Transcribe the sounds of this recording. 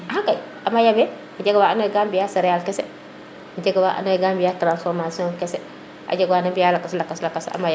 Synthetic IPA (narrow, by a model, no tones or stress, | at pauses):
ɦakaj | ʔamajabɛ | ɟeɡawaanojɡambijasɛɾɛjalkɛsɛ | d͡ʒeɡawaʔa̰noɛɡambijatɾãnsfɔɾmasiɔ̃ŋkɛsɛ | ʔa̰d͡ʒaɡwanabijalakːaslakːaslakːasa̰maja